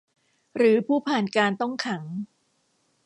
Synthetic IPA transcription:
ɾɯː˩˦pʰuː˥˩pʰaː˨˩nkaː˧nt̪ɔ˥˩ŋkʰa˩˦ŋ

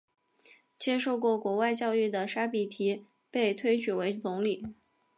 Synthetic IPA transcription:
t͡ɕjɛ˥ʂo˥˧ʊkwɔ˥˩kwɔ˧˥wa˥˧ɪt͡ɕjɑ˥˧ʊy˥˩d̪ə˩ʂa˥pi˨˩t̪ʰi˧˥ | pe˥˩ɪt̪ʰwe˥ɪt͡ɕʰy˨˩we˧˥ɪt͡sʊ˧˥ŋli˨˩˦

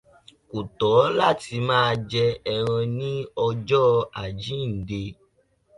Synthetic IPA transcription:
ko˨tɔ˨˦la˦˨ti˧mãː˦˧d͡ʒɛ˧ɛ˧ɾ̃ɔ̃˧nĩ˦ɔ˧d͡ʒɔ˦a˨d͡ʒĩ˨˦n̩˨de˧

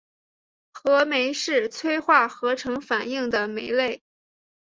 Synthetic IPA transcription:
xɤ˧˥me˧˥ɪʂɻ̩˥˩t͡sʰwe˥ɪxwa˥˩xɤ˧˥ʈ͡ʂʰɤ˧˥ŋfa˨˩ni˥˩ŋd̪ə˩me˧˥ɪle˥˩ɪ

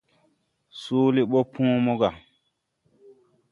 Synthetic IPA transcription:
su˦li˦ɓo˦pʰũː˦mo˦ɡa˨

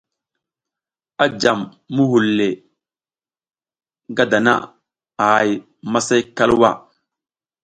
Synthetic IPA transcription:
a˦d͡ʒa˨mː | u˦ɦu˨lːe˨ | ɡa˦da˨na̰˦ | a˨a˨j | ma˦sa˦jka˦lwa̰˦˨

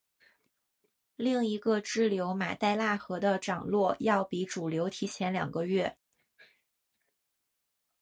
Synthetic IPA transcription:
li˥˩ŋi˧˥ɡə˧ʈ͡ʂɻ̩˥˩ljo˧˥ʊma̰˨˩t̪a˥˧ɪla˥˩xɤ˧˥d̪ə˧ʈ͡ʂɑ˨˩ŋlwɔ˥˧jɑ˥˩ʊpi˧˥ʈ͡ʂu˨˩ljo˧˥ʊt̪ʰi˧˥t͡ɕʰjɛ˧˥nljɑ̰˨˩ŋɡə˦ɥɛ˥˩

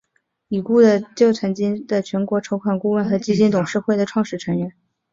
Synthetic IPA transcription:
i˨˩ku˥˩d̪ə˨t͡ɕjo˥˩ʊt͡sʰwa˧˥nt͡ɕi˥nd̪ə˨t͡ɕʰɥɛ˧˥nkwɔ˧˥ʈ͡ʂʰo˧˥ʊkʰwa˨˩nku˥˧wə˥˩nxɤ˧˥t͡ɕi˥t͡ɕi˥˩nt̪ʊ˨˩ŋʂɻ̩˥˧xwe˥˩ɪd̪ə˩ʈ͡ʂʰwɑ˥˧ŋʂɻ̩˥˩ʈ͡ʂʰɤ˧˥ŋɥɛ˧˥n

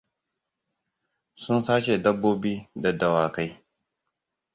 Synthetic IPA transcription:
sʊ˦nsaː˦ʃe˨dɐ˦bːoː˦biː˦dɐ˨dɐ˨waː˨ka˦j

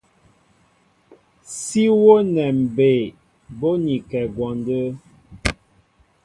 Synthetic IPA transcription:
si˦wo˦nɛ˨m̩˨be˨ | bo˦ni˨kɛ˨ɡwɔ˨ndə˦

